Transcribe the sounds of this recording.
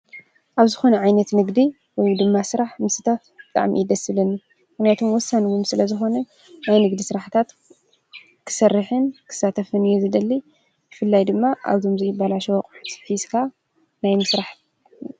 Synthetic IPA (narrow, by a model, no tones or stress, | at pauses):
ʔaβzɨxo̞nɐʕajnɐt̪nɨɡd̪i | wejd̪ɨmːasɨɾaħmɨsɨt̪ʰafbb̥ɨt̪ʼa̰ʕmḭid̪ɐsɨβlɐnːi | mɨxnijat̪ʰomwɔsːanwumsɨlɐzɨxo̞nɐ | najnɨɡd̪isɨɾaħt̪ʰat̪ | kʰɨ̥sɐrːɨħɨnkʰɨ̥sat̪ʰɐfɨnijuzɨd̪ɐlːi | jɨfɨlːajd̪ɨmːaʔa̰βt̪ʰo̞mzɐjɪbalaʃwkʼsfizkʰa | najmɨsɾaħ